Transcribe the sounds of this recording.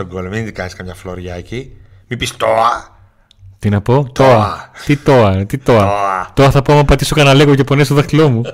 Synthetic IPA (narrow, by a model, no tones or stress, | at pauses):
t̪oɡolominĩnd̪ikɐsiskɐmɲɐfloɾʝɐci | mipist̪oɐ | t̪inɐpo̞t̪oɐt̪it̪o̞ɐt̪it̪o̞ɐt̪o̞ɐθɐpoɐmɐpɐt̪isokɐnɐle̞ɣoce̞pone̞st̪oðɐxilo̞mu